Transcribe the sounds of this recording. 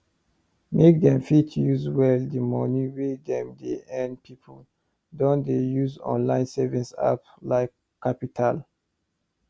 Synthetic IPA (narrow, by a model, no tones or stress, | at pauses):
mek̚dɛ̃mfitʰjuzwɛldimɔniwedɛ̃mdeɛ̃npʰipʰo | dɔ̃ndejuzɔ̰̃nlãɪ̃nsɛvĩnsa̰p | laɪkʰː | apitʰal